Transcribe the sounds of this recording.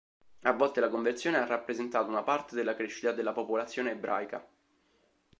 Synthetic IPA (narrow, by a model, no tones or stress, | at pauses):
avːɔlt̪elakoɱvert̪sjoːnearːapːɾezent̪aːt̪ounapart̪ed̪elːakɾeʃːit̪ad̪elːapopolat̪sːjoːneːbɾʔa̰ːjka̰